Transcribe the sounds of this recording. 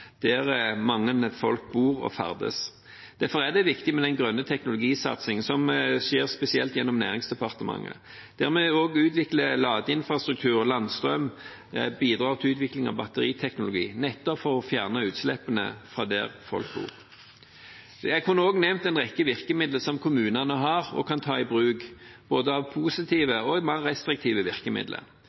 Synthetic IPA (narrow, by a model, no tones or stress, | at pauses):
d̪̥æʁmɑŋːənfɔlk̚buːʁɔ̰fæ̰ʁd̪ə̰s | d̪̥æʁfɔʁæd̪ɛʋɪkt̪ɪmɛd̪ɛnɡʁœnːət̪ʰɛknʊlʊɡiːsɑ̰t̪sɪŋənsɔmʃeːʁspɛsɪɛlt̪jɛnːɔmnæ̰ːʁɪŋsd̪ɛpɑʁt̪əmɑ̰ŋːə̰ | d̪̥æːʁmɛoːɡʉːt̪ʋɪkləlɑːɡ̪əɪnfʁɑst̪ʁʉk̚t̪ʰʉːʁɔlɑnst̪ʁœm | biːd̪ʁɑːʁt̪ʰɪʉːt̪ʋɪklɪŋɑ̰ʋbɑt̪əʁiːt̪ʰɛknʊlʊɡḭːnɛt̪ːɔpfɔʁɔfjæːʁnəʉːt̪slɛpənə̰fʁɑːd̪æ̰ʁfɔ̰lk̚bṵːʁ | jæɪɡhʉnəoːɡnɛmnt̪ɛnʁɛkːəʋɪʁkəmɪd̪ləsɔmkʰʊmʉːnɑnəɦɑʁɔ̰kʰɑnt̪ʰɑːɪbʁʉːkb̥oːd̪əɑʋpʰusɪt̪ʰiːʋəɔmɑʁɛst̪ʁɪk̚t̪ʰiːʋəʋɪʁkəmɪ̰d̪lʔə̰ɾ